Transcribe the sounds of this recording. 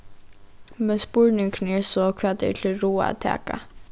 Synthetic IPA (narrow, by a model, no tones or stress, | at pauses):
mɛnspʊɹnɪŋkʰnɛɹsɔkʰv̥aːt̪ɛ̰ɹt̪ʰɪlɾuːa̰t̪ʰɛ̰ːka̰